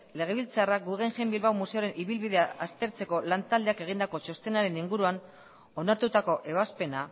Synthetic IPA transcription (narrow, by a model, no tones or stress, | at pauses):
le̞ɣ̞e̞β̞ilt͡saraɡuɣeŋʝe̞mbilβawmuse̞oɾe̞nʔiβilβiðe̞aast̪e̞ɾt͡se̞ko̞lant̪ald̪e̞ake̞ɣ̞ind̪ako̞t͡ʃo̞st̪e̞naɾe̞niŋɡuɾuan | o̞naɾt̪ut̪ako̞ʔe̞β̞aspe̞na